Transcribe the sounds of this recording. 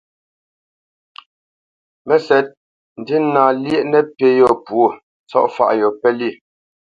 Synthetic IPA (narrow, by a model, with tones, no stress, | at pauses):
mɛ˦sɛ˨t̚ | n̩˨di˦naː˨ljɛ˦ʔnɛ˦pe˦jɔ˨pwo˦˨ | t͡sɔ̰˦ʔfa̰˨ʔjɔ˨pɛ˦li˦˨